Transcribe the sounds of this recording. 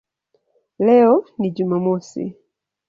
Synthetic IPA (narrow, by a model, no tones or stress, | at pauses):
lɛɔniɟumamɔsḭ